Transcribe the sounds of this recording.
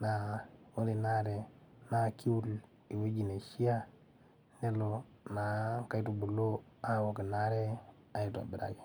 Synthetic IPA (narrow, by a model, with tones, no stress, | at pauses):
na˨wo˦ɾi˨na˦ɾe˨na˦ki˦wu˦l | i˨we˦d͡ʒi˨ne˨ʃi˦a˦ | ne˦lo˨ | na˨ka˦i˦tu˨bu˨lo˦a˦wo˨ke˨na˦ɾe˦ | a˨ji˨to˨a̰˨bi˨ɾa̰˨ɡi˨